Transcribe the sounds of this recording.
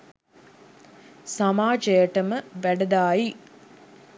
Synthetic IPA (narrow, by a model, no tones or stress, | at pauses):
samaːd͡ʒəjəʈəməʋæɖɐd̪aːji